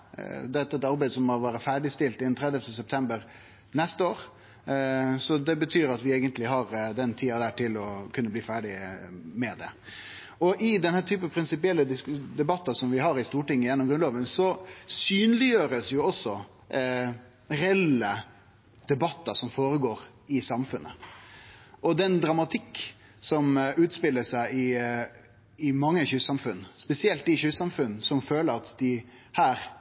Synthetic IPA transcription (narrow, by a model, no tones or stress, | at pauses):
d̪ɛt̪ːɑɛt̪ɑɾbæɪd̪sɔmhɑɾʋɑːɾəfæːɖɪst̪ɪlt̪ɪd̪ɛnt̪ʰɾɛd̪jɛft̪ʰəsɛp̚t̪ʰɛmbəɾ | nɛst̪əoːɾ | sɔd̪ɛbət̪ʰyːɾɑt̪ʋɪeːɡənt̪lɪɦɑɾd̪ɛnt̪ʰiːɑd̪æːʈʰɪlɔkʰʉnːəbliːfæːɖɪmɛd̪ɛ̰ | ɔʔɪd̪ɛnhæːt̪ʰyːpəpʰɾɪnsɪpɪɛlːəd̪ɪsd̪ɛbɑt̪ːɑsɔmʋɪɦɑɾɪst̪uːʈɪŋːəjɛnːɔmɡɾʉnlɑːʋənsɔsyːnlɪjøːɾəsjʊɔsːɔ | ɾɛɛlːə | d̪̥ɛbɑt̪ːɑsɔmfoːɾəɡoːɾ | ɪsɑmfʉnʔə̰ | ʔɔd̪ɛnd̪ɾɑmɑt̪ʰɪkː | sɔmʉːt̪spɪlːəsæɪɪ | ɪmɑŋːəçʉːsɑmfʉnːspɛsɪɛlt̪ɪçʉːsɑmfʉnːsɔmføːləɾɑt̪d̪ɪ | hæːɾ